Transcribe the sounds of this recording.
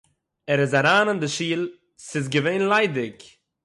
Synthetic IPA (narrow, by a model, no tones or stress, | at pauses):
ɛɾɪzaɾaːnandɪʃiːlˠ | sɪzɡəveɪnlˠaɪdɪk